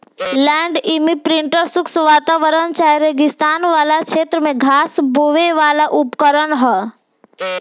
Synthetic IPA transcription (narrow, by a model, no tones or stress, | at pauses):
lɛ̃ːɳɖimipɾɪ̃ɳʈəɾsʊksʋaːt̪aːʋəɾənt͡ʃaːjɾeɡɪst̪aːnʋaːlakʃeːt̪ɾəmẽɡʱaːsboʋeʋaːlaʔʊpkəɾənɦɛ